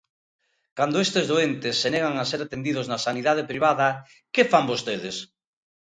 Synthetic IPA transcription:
kand̪oest̪ezðoent̪ɪsːeneɣ̞aŋaseɾat̪end̪iðʊznasaniðað̞epɾiβaðɐ | kefambost̪eðɪs

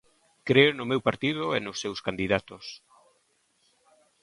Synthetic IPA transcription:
kɾeʊnʊmewpaɾt̪iðʊenʊsːewskand̪iðat̪ʊs

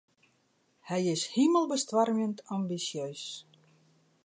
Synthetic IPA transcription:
hæjeɕhimə̆lˠbɘ̆st̪vɑrmʲent̪ʰɑmbisios

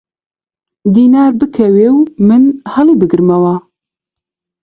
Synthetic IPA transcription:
d̪iːnaːɾbɨkʰɛweːwmɨnhɐlibɨɡɨɾmɛwɑ

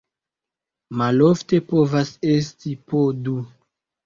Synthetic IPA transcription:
malofte̞povasestipodu

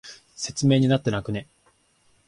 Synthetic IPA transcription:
se̞t͡sɨme̞ːɲ̟inat̪ːe̞nakɯ̟ne̞

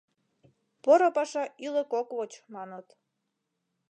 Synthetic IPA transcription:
poɾopɑʃɑiləkokβot͡ɕmɑnət̪

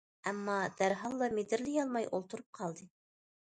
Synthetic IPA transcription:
æmːɑd̪̥æɾɦɑlˠːɑmed̪ɪɾlɪjɑlˠmɑjʔo̰lˠt̪ʰuɾup̚qʰɑlˠd̪ɨ

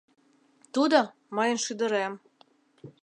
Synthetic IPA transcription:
t̪ud̪ɤ̆ | mɤjə̆nʃyd̪ə̆ɾæm

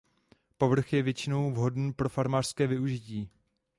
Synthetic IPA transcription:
po̞vr̩xjɛvjɛt͡ʃɪno̞wvɦo̞dn̩ːpɾo̞faɾmaːr̥skɛːvɪuʒɪciː

